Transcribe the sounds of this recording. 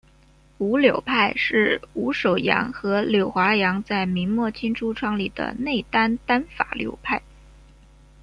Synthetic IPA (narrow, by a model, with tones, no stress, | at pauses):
u˧˥ljo˨˩ʊpʰa˥˧ɪʂɻ̩˥˩u˧˥ʂo˨˩ʊjɑ̰˧˥ŋxɤ˧˥ljo˨˩ʊxwa˧˥jɑ˧˥ŋt͡sa˥˩ɪmi˧˥nmwɔ˥˩t͡ɕʰi˥nʈ͡ʂʰu˥ʈ͡ʂʰwɑ˥ŋli˨˩d̪ə̰˦ne˥˩ɪt̪a˥nt̪a˥nfa̰˨˩ljo̰˨˩ʊpʰa˥˩ɪ